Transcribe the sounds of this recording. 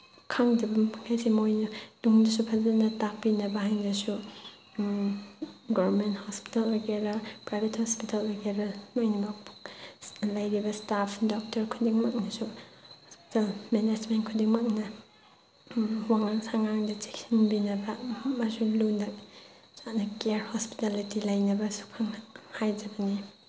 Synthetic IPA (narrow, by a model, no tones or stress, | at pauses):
kʰaŋdibɐkʰajsimojnɐnuŋdɐsupʰɐzanɐtak̚pinɐbɐɦaŋdɐsu | ɡɔbɾmenthɔspi̥talːaɡeɾɐpɾajbʱethɔspitalːaɡeɾɐnojnibapu | lajɾibɐstapʰdɔk̚tɐɾkʰudiŋmɐk̚nɐsuhospi̥talmened͡ʒmentkʰudiŋmɐk̚nɐ | waŋaŋsaŋaŋdɐd͡ʒe̥k̚sinbinɐbɐmasulundɐ | t͡ʃanɐkeɾhospi̥talitilɐjnɐbɐsu̥k̚pʰaŋhajd͡ʒɐbɐni